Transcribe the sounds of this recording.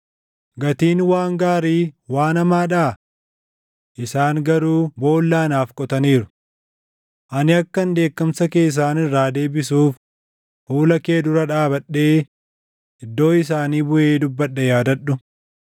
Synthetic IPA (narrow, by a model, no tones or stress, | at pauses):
ɡɐt̪iːnwaːŋɡaːɾiːwaːnɐmaːᶑaː | ʔɪsaːŋɡɐɾuːbo̞ːlːaːnaːfkʼɔt̪ɐniːɾʊ | ʔɐnɪɐkːɐnd̪e̞ːkːɐmsɐke̞ːs̬ːaːnɪrːaːd̪e̞ːbɪsuːf | fuːlɐke̞ːd̪ʊɾɐᶑaːbɐᶑe̞ː | ɪd̪ːo̞ːɪs̬aːniːbʊʔe̞ːd̪ʊbːɐᶑːɛjaːd̪ɐᶑʊ